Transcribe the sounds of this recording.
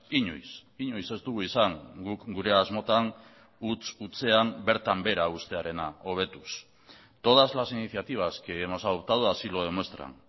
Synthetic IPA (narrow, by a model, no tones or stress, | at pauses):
iɲo̰jsiɲojse̞zt̪uɣuisaŋɡukɡuɾe̞azmo̞t̪aŋ | ut͡sut͡se̞ambe̞ɾt̪ambe̞ɾaust̪e̞aɾe̞nao̞β̞e̞t̪us | t̪o̞ðazlasiniθjat̪iβ̞askeːmosauβt̪aðuasiloðemost̪ɾa̰n